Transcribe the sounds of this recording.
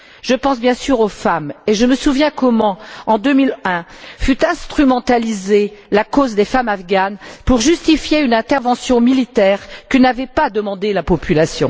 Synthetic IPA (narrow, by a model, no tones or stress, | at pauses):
ʒ̥əpɑ̃sbjɛ̃syʁofameʒəməsuvjɛ̃kɔmɑ̃ɑ̃d̪ømilɛ̃fyt̪ɛ̃st̪χymɑ̃t̪alizelakozd̪efamafɡanpuʁʒyst̪ifjeynɛ̃t̪ɛʁvɑ̃sjɔ̃milit̪ɛːʁkənavɛpad̪əmɑ̃d̪elapɔpʰylasjɔ̰̃